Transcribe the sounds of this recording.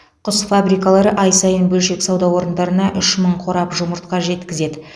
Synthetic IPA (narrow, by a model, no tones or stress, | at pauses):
qʰʊsfabɾijkalˠɑɾəʔɑjsɑjənbɵlʃe̞ksɑwd̪ɑwo̞ɾənd̪ɑɾənɑʔʏʃməɴqʰo̞ɾɑpʒʊməɾt̪̚qɑʒe̞t̪kʲɪze̞d̪ɪ